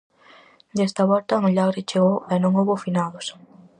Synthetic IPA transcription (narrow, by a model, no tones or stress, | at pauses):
d̪ɛst̪ɐβɔlt̪ɐmoʎaɣɾɪt͡ʃeɣowɛnõŋoβofinaðʊs